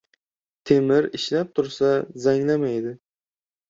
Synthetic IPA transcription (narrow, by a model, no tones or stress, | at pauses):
t̪ʰe̞mɪɾɪʃlap̚t̪ʰʊɾsazaŋlamajd̪ɪ